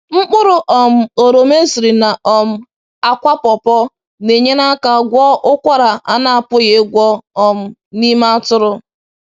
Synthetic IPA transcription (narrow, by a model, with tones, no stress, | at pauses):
ŋ͡m̩˦k͡pʊ˦ɾʊ˨ʔɔ˨m̩˦o˨ɾo˨me˦si˨ɾi˨na˨ɔ˨m̩˦ | a˦kʷa˦pɔ˨pɔ˦ | ne˨ɲe˦na˦ka˨ɡʷɔ˦ʔʊ˦kʷa˦ɾa˨a˦na˦a˨pʊ˦ɣe˦ɡʷɔ˦ɔ˨m̩˦ni˦ma˦a˦tʊ˦ɾʊ˦